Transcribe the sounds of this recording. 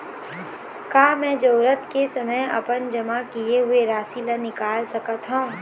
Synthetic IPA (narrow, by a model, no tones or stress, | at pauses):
kaːmɛ̃ːd͡ʒoːɾət̪kesɐməjɐ̰pənd͡ʒɐmakieɦʊeɾaːsilanɪkaːlsɐkət̪ɦõː